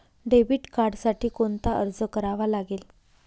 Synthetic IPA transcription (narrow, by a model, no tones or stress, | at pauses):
ɖebiːʈkaɾɖsaʈiːkont̪aʔə̰ɾd͡zəkəɾaʋalaɡel